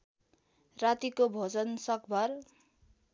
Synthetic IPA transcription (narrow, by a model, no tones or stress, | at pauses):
rat̪ikobʱod͡zʌnsʌkbʱʌr